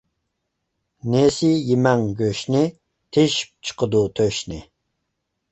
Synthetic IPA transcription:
nesɪjimɛŋɡʲøʃnɪ | t̪ʰeʃi̥p̚t͡ʃʰə̥qʰəd̪ut̪ʰøʃnɪ

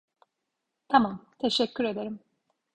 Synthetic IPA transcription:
t̪ʰamamt̪ʰeʃɛcʰːyɾe̞d̪e̞ɾim

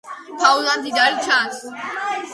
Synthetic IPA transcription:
pʰauland̪id̪aɾit͡ʃʰans

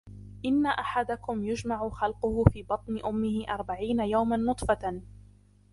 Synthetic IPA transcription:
ʔɪnːaʔaħad̪akʊmjʊd͡ʒmaʕʊxɑlqʊhʊfiːbɑt̪ˤnɪʔʊmːɪhɪʔɑɾˤbaʕiːnajawmanːʊt̪ˤfa

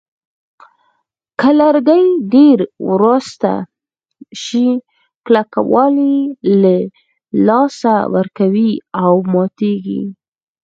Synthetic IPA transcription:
kəlaɾɡajɖeɾwɾust̪a̰ | ʃi | klaka̰wɑlila | lɑsawə̰ɾkawiawmɑt̪eɡḭ

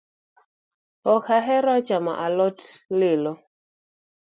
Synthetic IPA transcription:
ɔkaɦɛɾɔt͡ʃama̰ʔalɔtlɪlɔ

